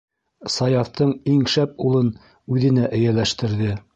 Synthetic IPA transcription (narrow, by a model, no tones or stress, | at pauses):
sɑjɑft̪ɤɴiŋʃæp̚ulˠɤn | ʉðɘ̆næʔɘ̆jælæʃt̪ɘ̆ɾðɘ